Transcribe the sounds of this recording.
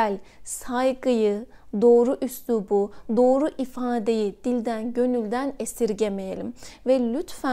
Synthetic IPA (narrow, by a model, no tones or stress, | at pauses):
ælʲsajɡɯjɯ | d̪o̞ːɾuʔyslʲubud̪o̞ːɾuʔifaːd̪e̞jid̪̥ilʲd̪ænɟø̞nylʲd̪ænesiɾɟemejelʲimvɛlʲyt̪fæ